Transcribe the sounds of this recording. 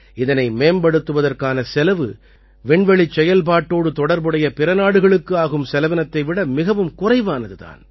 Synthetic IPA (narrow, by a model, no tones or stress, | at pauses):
ɪðɐnɐɪmeːmbɐɽɯt̪ːɯʋɐðɐrkaːnɐsɛlɐʋɯ̰ | ʋɛɳʋɐɭɪt͡ʃːɛjɐlpaːʈːoːɽɯt̪ɔɽɐɾbɯɽɐjɐpɪɾɐnaːɽɯɣɐɭɯkːɯaːɣɯmsɛlɐʋɐnɐt̪ːɐɪʋɪɽɐmɪɣɐʋɯmkʊrɐɪʋaːnɐðɯða̰ːn